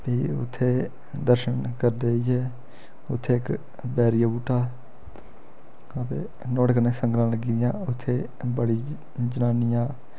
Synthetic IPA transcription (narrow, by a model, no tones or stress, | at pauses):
piːʊ̰t̪ʰːeː | d̪əɾʃənkəɾd̪eːiːɦɛː | ʊt̪ʰːeːɪk | bɛːɾijaːbuːʈʰaː | ət̪ḛː | nɔːɽknẽːsəŋɡɾãːləɡid̪ɪjãːʊt̪ʰːeː | bəɽiː | d͡ʒənaːnɪjãː